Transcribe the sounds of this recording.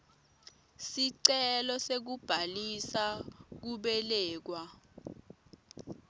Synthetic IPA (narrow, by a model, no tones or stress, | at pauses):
siǀɛlɔsek̬ub̥ʱalisak̬uɓɛlɛːk̬wa